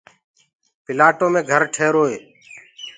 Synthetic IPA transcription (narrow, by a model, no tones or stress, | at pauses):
pɪlaːʈoːmẽːɡʱəɾʈʰeːɾoːɦeː